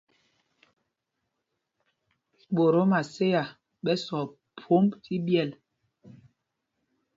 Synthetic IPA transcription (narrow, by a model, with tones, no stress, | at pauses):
ɓo˨ɾo˨˦ma˨se˦ja˨ | ɓɛ˦sɔ˨ | pʰo˨˦mti˦bjɛ˦˨l